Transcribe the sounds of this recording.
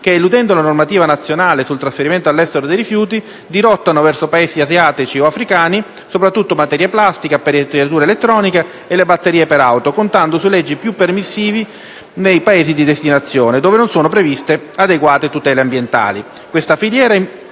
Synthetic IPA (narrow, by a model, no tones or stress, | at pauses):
k̟eelːud̪ɛnd̪olanormat̪iːvanat̪sːjonaːlesult̪ɾasfeɾiment̪oalːɛst̪eɾod̪ejɾifjuːt̪i | d̪iɾɔt̪ːanovɛrsopaeːziazjaːt̪it͡ʃioafɾikaːni | sopɾat̪ːut̪ːomat̪ɛɾjaplast̪ikapeɾet̪ːeɾat̪uːɾelet̪ːɾɔːnika | elːebat̪ːeɾiːepeɾawt̪okont̪and̪osulɛd͡ʒːipjupːermisːiːvi | nejpaeːzid̪id̪est̪inat̪sːjoːned̪oːvenonsoːnop̬ɾevist̪e | ad̪eɡwaːt̪et̪ut̪ɛːleambjent̪a̰ːli | kwest̪afiljɛːɾa